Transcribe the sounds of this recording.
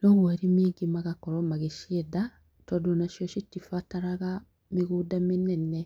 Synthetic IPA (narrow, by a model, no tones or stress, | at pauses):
noβeɾimiɡimaɡakoɾomaɡeʃieda | todonaʃjoʃitifataɾaɣa | miɣuːdaminene